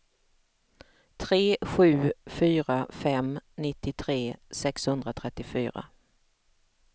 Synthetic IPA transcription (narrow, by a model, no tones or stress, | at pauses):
t̪ʰɾeːɧʉ̟ːfyːɾafɛmnɪt̪ːɪt̪ʰɾeːsɛkshɵnd̪ɾat̪ʰɾɛt̪ːɪfy̰ːɾa̰